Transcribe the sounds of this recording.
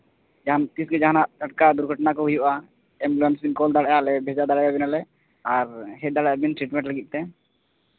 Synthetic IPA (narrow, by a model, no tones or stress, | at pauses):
d͡ʒaɦant̪isɡɛd͡ʒaɦanaʔtəʈ̚kad̪uɾɡʱəʈnakɔɦujuʔa | ɛmblɛnsbinkɔld̪aɽɛjalɛbʱɛd͡ʒad̪aɽajabinalɛ | aɾɦɛd̪aɽajabinʈɾiʈmɛ̃ɳʈləɡit̪̚t̪ɛ